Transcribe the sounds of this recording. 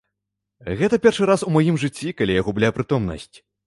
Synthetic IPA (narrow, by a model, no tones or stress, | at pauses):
ɣɛt̪ɐpʲɛrʂɨɾasumajimʐɨt͡sʲːikalʲijaɣɔblʲapɾɨt̪ɔmnɐ̰sʲt͡sʲ